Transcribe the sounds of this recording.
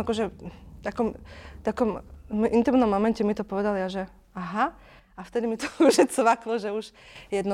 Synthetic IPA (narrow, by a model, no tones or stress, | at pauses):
akɔʒɛt̪akɔmt̪akɔmmʔint̪imnɔmːɔmɛncɛmit̪ɔpɔʋɛd̪aljaʒɛ | aɦa | aft̪ɛd̪imit̪ɔkɔʒɛt͡sʋaklɔʒɛuʃjɛd̪nɔ